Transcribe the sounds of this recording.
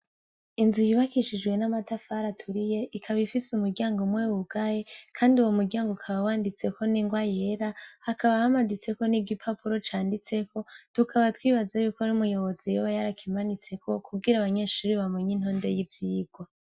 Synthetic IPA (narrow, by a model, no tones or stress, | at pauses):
inzujiβakiʃid͡ʒɡwe̞namatafaɾatʰuɾije̞ʔikʰaβifisumuɾɟaːŋɡomwewuɡ̥aje̞kʰaːndiuwomuɾɟaːŋɡokʰaβawaːndit͡se̞kʰo̞niŋɡwaje̞ɾahakaβahamazit͡se̞ko̞niɡipʰapuɾo̞t͡ʃaːndit͡se̞kʰo̞tukʰaβatwiːβazajukonumujo̞βo̞zejoβajaɾakimanit͡se̞kʰo̞kuɡiɾaβaɲe̞ʃuːɾiβamoɲin̥ho̞ːnde̞jivjiːɡ̥wo